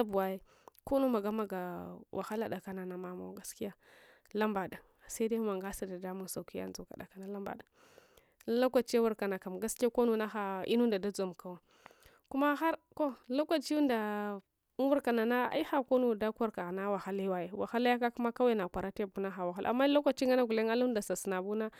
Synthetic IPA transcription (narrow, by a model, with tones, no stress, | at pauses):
a˦bu˨a˦je˦ | ko˦nu˦ma˨ɡa˦ma˨ɡa˨wʔa̰˨xa˦la˦ɗa˨ka˨na˨na˨ma˦ma̰˦ɡa˦ski˦a˦ | la˦mba˨da˨sa˦i˦de˦ma˨ŋɡa˦sa˨da˨da˦mu˦nsa˨ki˦ja̰˦nzu˨ka̰˨da̰˨ka˨na˨la˦mba̰˨ɗa˨˦ | la˦kʷa˨t͡ʃe˦wu˦ɾka˨na˨ka˨mɡa˦ski˦a˦ko˦nu˦na˦xa˨ḭ˦nu˦nda˨da˦d͡zo˨m˨ka˨wa˨ | ku˦ma˦xa˦ɾko˦la˦kʷa˨t͡ʃi˦u˦nda˨˦ | wu˦ɾka˨na˨na˦a̰˦i˦xa˨ko˦nu˨da˦ka˦ɾka˨na˦wa˨xa˦li˦wa˨je˨wa̰˨xa˦la˦ja˦ka˦ku˦ma˦ka˦we˦na˨kʷa˨ɾa˦te˦˨bu˦na˦xa˨wa˨xa˦la̰˨mːa˦la˦kʷa˨t͡ʃi˦ŋa˦na˦ɡu˨le˦ŋa˦la˦u˦da˨sa˨sna˨bu˦na˦